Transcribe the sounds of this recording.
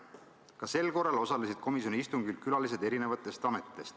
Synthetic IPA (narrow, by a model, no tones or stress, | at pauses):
kɑse̞lko̞rːˑɑlo̞sɑlesid̪̥ko̞misjoiist̪uŋɡilkylɑlis̬e̞d̪e̞ɾine̞vɑt̪ːˑe̞st̪ɑme̞t̪ːe̞st̪